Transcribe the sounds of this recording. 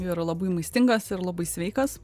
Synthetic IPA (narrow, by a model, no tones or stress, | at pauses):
jɾɐlˠɐbɐɪmɐɪsʲt̪ʲɪŋɡɐsɪɾlˠɐbɐɪsʲʋʲɛɪkɐs